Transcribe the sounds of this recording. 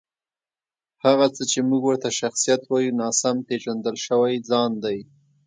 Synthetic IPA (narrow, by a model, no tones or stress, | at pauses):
haɣat͡sət͡ʃemuɡwəɾt̪aʃaxsijat̪wɑjunɑsamt̪eʒand̪əlʃəwajd͡zɑnd̪aj